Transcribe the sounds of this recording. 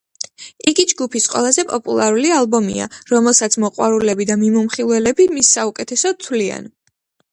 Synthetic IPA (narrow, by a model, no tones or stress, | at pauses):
iɡid͡ʒɡupʰisqʼwɛ̰lˠazɛpʼɔpʼṵlˠaɾulialˠbɔmḭa̰ɾɔmɛlˠsat̪sʰmɔqʼwaɾulɛbid̪amimumχilˠwɛlɛbimisːaukʼɛt̪ʰɛsɔt̪ʰwlia̰n